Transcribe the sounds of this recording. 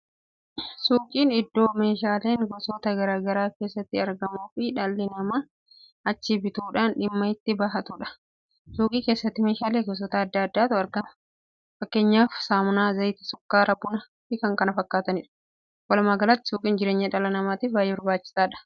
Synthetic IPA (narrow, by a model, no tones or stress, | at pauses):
suːkʼiːnɪd̪ːo̞ːme̞ːʃaːle̞ːŋɡɔsoːt̪ɐɡɐɾaːɡɐɾaːkeːsːɐt̪ːɪɐɾɡɐmuːfɪᶑɐlːɪnɐmɐ | ɐt͡ʃːɪbɪt̪uːᶑaːnᶑɪmːɐɪt̪ːɪbaːɦɐt̪uᶑɐ̥ | suːkʼiːkeːsːɐt̪ːɪme̞ːʃaːleːɡɔs̬ɔːt̪aɐd̪ːɐɐd̪ːaːt̪ʊɐɾɡɐmɐ̥ | fɐkːe̞ːɲːaːfsaːmʊnaːzɐjt̪ɪ̥sʊ̥kːaːɾɐbʊnɐ | fɪkɐŋkɐnɐfɐkːaːt̪ɐnɪᶑɐ̥ | wɐlɐmaɡɐlat̪ːɪ̥suːkʼiːnd͡ʒɪɾe̞ːɲːɐᶑɐlɐnɐmaːt̪ɪfbaːjebɐɾbaːt͡ʃːɪ̥saːᶑɐ̥